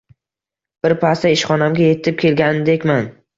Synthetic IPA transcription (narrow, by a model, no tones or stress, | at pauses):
b̥ɪɾpʰast̪aɪʃχɒnamɡʲaje̞t̪ʰɪp̚kʲʰe̞lɡʲanɪd̪ekʲman